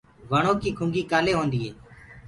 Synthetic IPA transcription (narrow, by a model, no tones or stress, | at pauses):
ʋaɳoːkiːkʰʊŋɡiːkaːleːɦoːnd̪iːɦeː